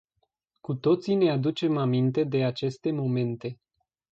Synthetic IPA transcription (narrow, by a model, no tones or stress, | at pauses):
kut̪o̞t̪sine̞ad̪ut͡ʃe̞mamint̪e̞d̪e̞at͡ʃe̞st̪e̞mo̞me̞nt̪e̞